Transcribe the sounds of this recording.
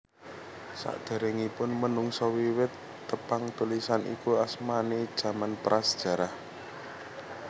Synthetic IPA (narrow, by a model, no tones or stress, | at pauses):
sa̰ʔd̪̥a̤ɾɛŋipʊnmənʊŋsɔwiwɪt̪ː | əpaŋt̪ulisanḭkuasmaned̥ʒ̥ä̤manpɾasd̥ʒ̥a̤ɾah